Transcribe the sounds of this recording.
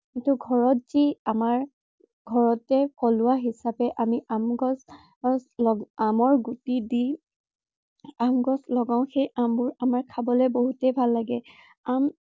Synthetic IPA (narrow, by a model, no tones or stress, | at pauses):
kintuɡʱɔɹɔt̚z̥iamaɹ | ɡʱɔɹɔtɛkɔlʊwaɦisapɛʔamiʔamɡɔs | slɔamɔɹɡutidi | amɡɔslɔɡaʊ̃xejʔambʊɹamaɹkʰabɔlejboɦutɛbʱalːaɡɛ | am